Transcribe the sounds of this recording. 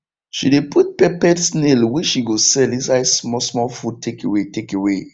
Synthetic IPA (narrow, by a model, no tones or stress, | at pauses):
ʃidepʰut̚pɛpɛtsnelwɛʃiɡosɛlĩns̬aɪsmɔsmɔlfud̚tʰekewetekewe